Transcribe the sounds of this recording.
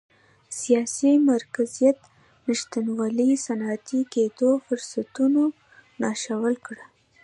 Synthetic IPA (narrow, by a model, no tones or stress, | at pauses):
sijɑsimaɾkazijat̪ | nəʃt̪anwɑlisanɑːt̪iked̪ofʊɾsat̪uno | nɑʃawəlkɽə